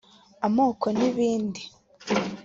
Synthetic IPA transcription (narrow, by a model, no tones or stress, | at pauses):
amoːkʰoniβiːndi